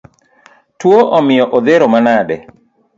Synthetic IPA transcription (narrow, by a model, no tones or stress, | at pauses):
twoʔɔmɪjɔʔod̪eɾomanadɛ